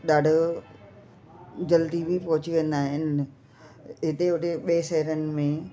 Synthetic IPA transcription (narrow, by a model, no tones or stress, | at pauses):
ɗaːɖʱʊ | d͡ʑɐld̪ibʱipɐɦʊt͡ɕiʋẽnd̪aːɦɪn | ɦɪt̪eʊʈʰeɓeːʃɛɦəɾənɪ̆mẽ